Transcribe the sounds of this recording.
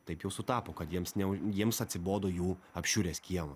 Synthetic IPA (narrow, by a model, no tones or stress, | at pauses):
t̪ɐɪpjɛʊsʊt̪ɑːpoːkɐt̪jiɛmsnʲɛʊjiɛmsɐt̪ʲsʲɪboːd̪oːjuːɐpʲʃʲuːɾʲeːsʲkʲiɛmɐ